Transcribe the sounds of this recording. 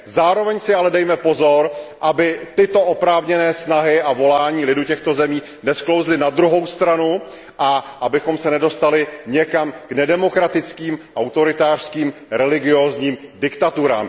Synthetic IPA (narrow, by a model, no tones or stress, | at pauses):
zaːɾo̞vɛɲsɪalɛdɛjmɛpo̞zo̞ɾʔabɪt̪ɪt̪o̞ʔopɾaːvɲɛnɛːsnaɦɪʔavo̞laːɲiːlɪducɛxt̪o̞zɛmiː | nɛsklo̞wzlɪnad̪ɾuɦo̞wst̪ɾanu | ʔaʔabɪxo̞msɛnɛdo̞st̪alɪɲɛkamɡ̥nɛdɛmo̞kɾat̪ɪt͡skiːmʔawt̪o̞ɾɪt̪aːr̥skiːmɾɛlɪɡɪoːzɲiːmdɪkt̪at̪uɾa̰ːm